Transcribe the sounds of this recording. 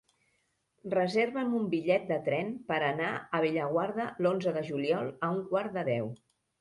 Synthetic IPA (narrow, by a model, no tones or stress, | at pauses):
rəzeɾβəmumbiʎɛt̪̚d̪ət̪ɾɛnpəɾənaəβ̞eʎəɣwaɾðəlonzəðəʒuliɔlˠəuŋkwaɾd̪əðɛw